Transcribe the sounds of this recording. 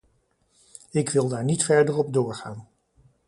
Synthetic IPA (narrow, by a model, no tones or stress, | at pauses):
ɪkʋɪlˠdaːɹnitfɛɹdərɔb̚dʊːɹχaːn